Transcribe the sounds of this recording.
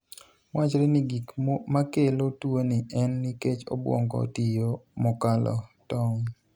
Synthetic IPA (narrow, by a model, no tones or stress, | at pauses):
mwʔat͡ʃɾeniɡikmakelotwonɪʔɛnːiket͡ʃo̰bwɔ̰ŋɡɔ̰tijomɔkalɔ̰tɔŋ